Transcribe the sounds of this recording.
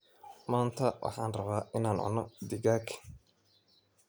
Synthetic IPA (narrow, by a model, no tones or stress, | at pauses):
maːnt̪ʰɐwʔɑ̰ħɑːnrɐβaːʔɪnaːnɔ̰nɔd̪ɪɣaːkʰɐ̥